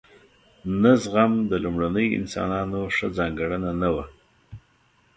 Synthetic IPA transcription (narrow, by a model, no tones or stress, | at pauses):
nazɣamd̪əlʊmɽanəjɪ̰nsɑ̰nɑnoʂəd͡zɑŋɡaɽənanawa